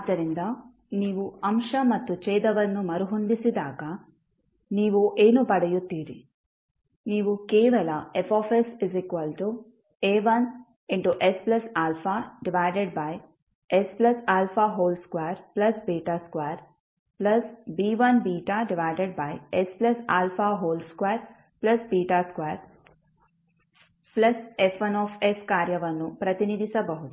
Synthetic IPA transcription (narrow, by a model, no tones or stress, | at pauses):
aːd̪ːɐɾind̪ɐ | niːʋuɐmʂɐmɐt̪ːut͡ʃɛːd̪ɐʋɐnːumɐɾuɦond̪isid̪aːɡɐ | niːʋuʔeːnupɐɽɐjut̪ːiːɾi | niːʋukɛːʋɐlɐefɔːfesizikʋɐlʈu | eːʋɐn | iɳʈuʔesplɐsaːlfʰaːɖiʋaːjɖeɖ̚bɐj | esplɐsaːlfaɦoːlskʋaːɾplɐsbiːʈaskwaːɾ | plɐsbiːʋɐnbiːʈaɖɪʋaɪɖeɖ̚bajesplɐsaːlfaɦoːlskweːɾ | plɐsbiːʈaskʋaːɾ | plɐsefʋɐnɔːfeskaːɾjɐʋɐnːupɾɐt̪inid̪ʱisɐbɐɦut̪